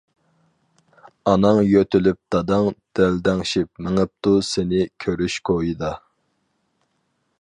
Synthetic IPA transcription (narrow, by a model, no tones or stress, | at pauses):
ɑnɑŋjøt̪ʰylyp̚d̪̥ɑd̪ɑŋd̪̥ɛld̪ɛŋʃip̚mɪŋəp̚t̪ʰusɪnɪkʲʰøɾyʃkʰojid̪ɑ